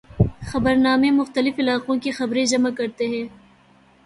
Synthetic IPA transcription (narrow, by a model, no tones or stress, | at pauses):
xɐbəɾnaːmẽmʊxt̪əlɪfɪlaːqõkexɐbɾẽd͡ʒɐmakɐɾt̪eɦɛ̃ː